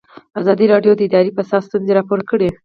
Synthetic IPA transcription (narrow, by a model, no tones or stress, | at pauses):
azɑd̪iɾɑɖjod̪əɪd̪ɑɾipəsɑst̪unzeɾɑpoɾkəɽe